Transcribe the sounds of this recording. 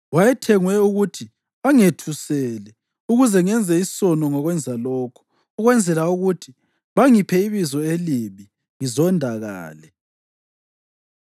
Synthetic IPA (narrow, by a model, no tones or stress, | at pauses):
wajɛtʰɛŋwɛuɣutʰi | aŋetʰusɛlɛ | uɣuzɛŋɛnd͡zʱɛisɔnɔŋɔɣwɛnd͡zʱalɔːkʰɔ̥ː | ɣwɛnd͡zʱɛlauɣutʰi | βaŋipʰɛiβizɔeliβi | ŋizɔndʱaɣa̰ːlɛ